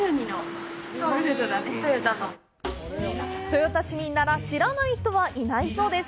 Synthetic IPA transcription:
ɯɲinooɾɯt̪od̪at̪ojot̪ao | t̪o̞jot̪aɕimʲinːaɾaɕiɾanaiçi̥t̪o̞βaʔinaiso̞ːd̪e̞s

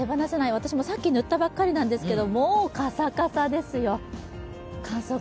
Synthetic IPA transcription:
ebanasenaiβat̪aɕimo̞sakʲːinɯ̟t̪ːabakːaɾʲinãnd̪e̞sɨ̥ke̞d̪o̞moːkasakasad̪e̞sɨjo̞ | kʰãɰ̃soː

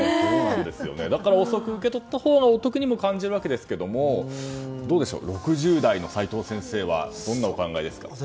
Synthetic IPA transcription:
d̪e̞sɨjo̞̰ne̞d̪akaɾao̞so̞kɯ̟ɯke̞t̪o̞t̪ːaho̞ːɡaot̪o̞kɯ̟ɲ̟imo̞kãɲ̟d͡ʑiɾɯβake̞d̪e̞sɨ̥ke̞d̪o̞mo̞ | d̪o̞ːd̪e̞ɕo̰ːɾo̞kɯ̟ʑɨːd̪aino̞sait̪o̞ːsẽ̞ɰ̃se̞ːβa̰d̪̥õ̞nːao̞kãŋɡaid̪e̞sɨ̥ka̰

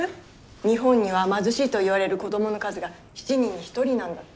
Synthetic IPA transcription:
ɲ̟iɦõ̞ɲ̟ːiβ̞amazɨɕiːt̪o̞iβaɾe̞ɾɯ̟ko̞d̪o̞mo̞no̞kazɨɡa | çi̥t͡ɕiɲ̟ĩɲ̟ːiçi̥t̪o̞ɾʲinãŋɡa

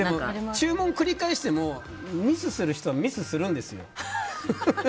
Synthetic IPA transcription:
d̪emot͡ɕɨːmõ̞ŋkɯ̟ɾʲikaeɕi̥t̪e̞mo | mʲizɨsɨɾɯ̟çi̥t̪o̞βamʲizɨsɨɾɯ̟̃nd̪e̞sɨjo̞̰

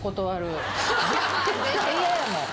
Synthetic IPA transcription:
kot̪oβaɾɯ̟ | eeiajamo

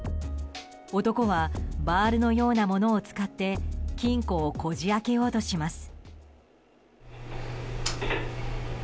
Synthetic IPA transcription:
o̞t̪o̞ko̞βabaːɾɯ̟no̞jo̞ːnamo̞no̞ːt͡sɨ̥kat̪ːe̞kʲĩŋko̞ːko̞ʑiake̞jo̞ːt̪o̞ɕimasɨ̥

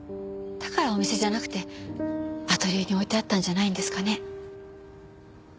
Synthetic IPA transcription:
t̪ḁkaɾao̞mʲise̞ʑanakɯ̟̥t̪e̞ | at̪o̞ɾʲɯːɲ̟io̞it̪e̞at̪ːãɲ̟d͡ʑanaĩnd̪e̞sɨ̥kane̞

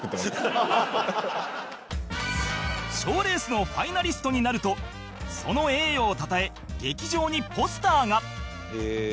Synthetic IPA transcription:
t̪ | ɕo̞ːɾe̞ːsɨno̞ɸainaɾʲisɨ̥t̪o̞ɲ̟inaɾɯ̟t̪o̞ | so̞no̞e̞ːjoːt̪at̪ae̞ | ɡe̞kʲiʑo̞ːɲ̟ipo̞sɨ̥t̪aːŋa

